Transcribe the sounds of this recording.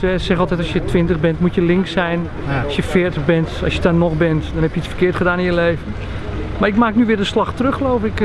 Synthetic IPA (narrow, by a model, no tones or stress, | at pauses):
tɛsɛxɔlˠtɛtɔsjətʋɪntəɣbɛntmutjəlɪŋksɛjn | ɑsjəfɪːərtəɣbɛntɔsjədɔnɔxbɛntdɔnhɛpjəit͡sfə̥rkɪətχədaːnɪnjəlejvən | maɹɪkmaːknyʋɪːdəslaxtrøxəloːfɪk